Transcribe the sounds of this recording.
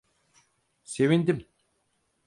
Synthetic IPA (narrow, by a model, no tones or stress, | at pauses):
se̞vind̪im